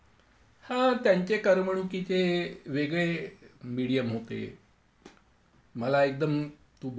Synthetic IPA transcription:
hãt̪jaɲt͡ɕekəɾməɳ̃ukit͡seʋeɡɭemiɽijəmɦot̪ḛ | məlaek̚d̪əm | t̪ub

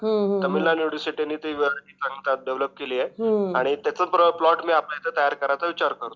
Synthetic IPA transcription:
ɦə̃t̪əmilːanjuɽisiʈianːiːt̪iʋeɽkiːsaŋɡit̪at̪̚deʋləp̚keliːjeɦaɽ̃it̪jat͡səpɾəplɔʈmiːaplajt̪ət̪əjaɾkəɾajt͡səʋit͡ɕaɾkəɾt̪o

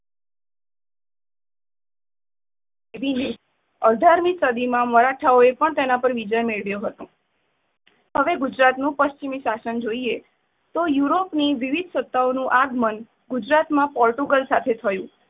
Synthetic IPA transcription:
eʋine | əd̪ʱaɾmisəd̪imãməɾaʈʰaoepəɳt̪enapəɾʋid͡ʒəjmeɭʋjoɦət̪õ | həʋeɡʊd͡ʒɾat̪nũpəʃt͡ʃimiʃasənd͡ʒoie | t̪ojuɾopniʋiʋid̪ʱsət̪ːaonũʔaɡmən | ɡʊd͡ʒɾat̪mãpɔɾʈuɡəlsat̪ʰet̪ʰəjũ

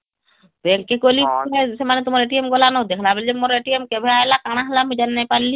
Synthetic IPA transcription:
belkekolinesemanɛt̪umɔɾeʈiemɡɔlanɔd̪ekʰlabɛld͡ʒemoɾeʈiemkɛbʱɛajlakaɽ̃aɦlamid͡ʒanːɛpaɾli

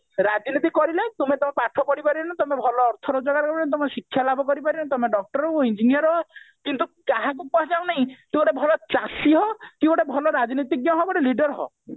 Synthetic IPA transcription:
ɾad͡ʒnit̪ikɔɾilet̪umet̪ɔmepaʈʰɔkɔɽipaɾinat̪ɔmebʱɔlɔːɾt̪ʰɔɾɔd͡ʒɔɡaɾkɔbt̪ɔmesikʰːjalabʱɔkɔɾipaɾinat̪ɔmeɖɔk̚ʈɔɾɔoind͡ʒinijɔɾɦɔkint̪ukaɦãkukɔɦad͡ʒaw̃naɦĩk̪ĩɔɽebʱɔlɔt͡ʃasiɦɔkibɔɽebʱɔlɔɾad͡ʒinit̪iɡjɔɦɔbɔɽeliɖɔɾɦɔ̰

